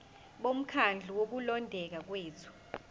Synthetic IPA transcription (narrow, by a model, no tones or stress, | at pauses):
ɓom̩kʰand͡ɮʱiwok̬ulɔndʱɛk̬ak̬weːt͡sʰu̥